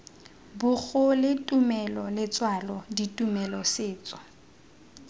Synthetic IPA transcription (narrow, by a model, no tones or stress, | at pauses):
bʊk͡xʊlɪtʼumɛlɔlɪt͡sʼwalɔditʼumɛlɔsɪːt͡sʼɔ̥